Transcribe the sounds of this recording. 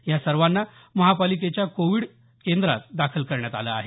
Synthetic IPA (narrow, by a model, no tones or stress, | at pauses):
jasəɾʋanːa | məɦapalik̬et͡ɕjakoʋiːɽ | kend̪ɾa̰t̪̚d̪akʰəlkəɾɳjat̪a̰la̰ːɦe